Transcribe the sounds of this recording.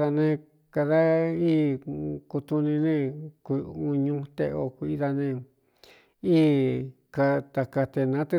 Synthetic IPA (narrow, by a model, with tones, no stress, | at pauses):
ða˧nẽ˧ | ka˧ða˦iː˦ku˧t̪u˧nĩ˧nẽ˦˧ku˧u˧ɲũ˧t̪e˧o˧ku˧i˧ða˧nẽ˧˨ | iː˦ | ka˧t̪a˨ka˧t̪e˧nã˨˦t̪e˦˧